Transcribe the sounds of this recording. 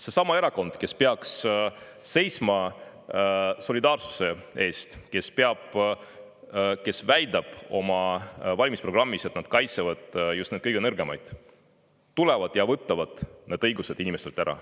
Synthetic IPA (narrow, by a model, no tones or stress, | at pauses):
se̞sɑmɑe̞ɾɑko̞nd̪̥ke̞speɑksː | e̞jsmɑ | so̞lid̪ɑːrsu̥se̞e̞ːst̪ke̞spe̞ɑb̥ | ke̞svæjd̪ɑb̥o̞mɑvɑlʲmispro̞ɡ̥rɑmːise̞t̪nɑd̪̥kɑjt̪sevɑd̪̥just̪ned̪̥̚kɤjɡenɤrɡ̥e̞mɑjd̪̥ | t̪ulɛvɑd̪̥jɑvɤt̪ˑːɑvɑd̪̥ne̞ːd̪ɤjɡuse̞d̪inimest̪elt̪æɾɑ̰